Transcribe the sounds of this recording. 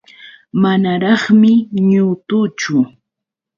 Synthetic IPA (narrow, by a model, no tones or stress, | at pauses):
manaɾɑχmɪɲʊt̪ʊt͡ʃʊ